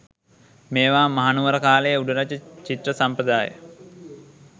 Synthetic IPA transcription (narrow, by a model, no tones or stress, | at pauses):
meːʋaːmɐɦanuʋəɾəkaːləjəuɖuɾat͡ʃːət͡ʃit̪rəsampəd̪aːjə̰